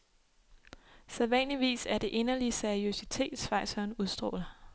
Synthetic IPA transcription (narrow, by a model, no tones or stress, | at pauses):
seðˠʋɛnliʋḭːsæɐd̥e̝ʔe̝nɐliseɐiøsit͡sʰe̝̰ːd̥sfɑ̈ɪ̰sɒːnuðˠsd̥ʁɔ̰ːlɐ